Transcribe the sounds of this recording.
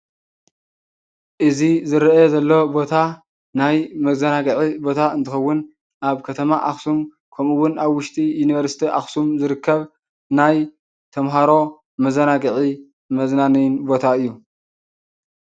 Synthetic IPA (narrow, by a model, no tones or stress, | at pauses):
ʔɨzizɨɾezɐlːo̞bo̞t̪ʰa | najmɐzɐnaɡɨʕibo̞t̪ʰaɨnt̪ʰɨxɐwːʊn | ʔaβkʰɐt̪ʰɐmaʔaxsum | kʰɐmɨwʊnaβwʊʃt̪ʼijunivɐɾsi̥t̪ʰiʔa̰xsumzɨɾɨkʰːɐβ | naj | t̪ʰɐmɦaɾo̞ | mɐzɐnaɡʕi | mɐznanɨjnbo̞t̪ʰaɨjːu